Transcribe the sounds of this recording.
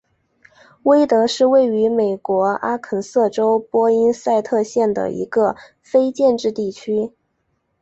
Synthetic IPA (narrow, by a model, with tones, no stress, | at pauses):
we˥ɪt̪ɤ˧˥ʂɻ̩˥˧we˥˩ɪy˧˥me˨˩ɪkwɔ˧˥a˥kʰə˧˥nsɤ˥˩ʈ͡ʂo˥ʊpwɔ˥i˥nsa˥˧ɪt̪ʰɤ˥˧ɕjɛ˥˩nd̪ə̰˩ḭ˧˥ɡə˧ | fe˥ɪt͡ɕjɛ˥˧nʈ͡ʂɻ̩˥˧t̪i˥˩t͡ɕʰy˥